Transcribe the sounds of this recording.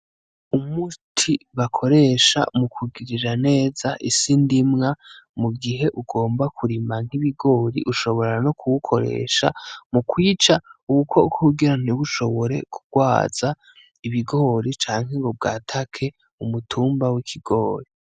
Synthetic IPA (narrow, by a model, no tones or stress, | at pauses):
umutʰiβakʰo̞ɾe̞ʃa̰mukʰuɡiɾiɾane̞ːzaʔisindimŋamuɡiɦe̞ʔuɡo̞ːmbakʰuɾimaŋ̥iβiɡo̞ːɾḭʔuʃo̞βo̞ɾɾano̞kʰuβukʰo̞ɾḛːʃa̰mukwiːt͡ʃauβukʰo̰kʰouɡiɾan̥iβuʃo̞βo̞ɾe̞̰kʰuɡ̥waːz̥a | iβiɡo̞ːɾit͡ʃaːŋ̥ɦe̞ɡob̚ɡaːtʰakʰe̞ | umutʰuːmbawikʰiɡo̞ːɾi